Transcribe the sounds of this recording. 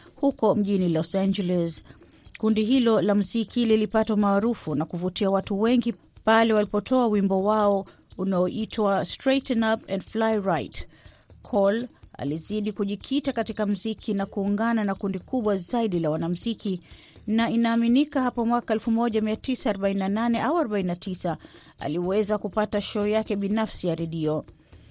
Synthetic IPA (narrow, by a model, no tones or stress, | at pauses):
hukɔm̩ʄinilɔsand͡ʒɛlɛs | kundiɦilɔlam̩zikʰililipatwamaːɾufunakuvutiawatuwɛŋɡi | palɛwalipɔtʰɔawimbɔwaɔ | unaɔʔitwastɾetɛnapɛndflajɹajt | kʰɔla̰liziɗikuʄikʰitakatikam̩zikinakuːŋɡananakundikuɓwazaiɗilawanam̩ziki | nainaːminikahapɔmwakaɛlfumɔʄamiatisaːɾɔɓaininananɛʔauaɾɔɓaininatisa | a̰liwɛzakupataʃɔjakɛɓinafsijaɾɛɗiɔ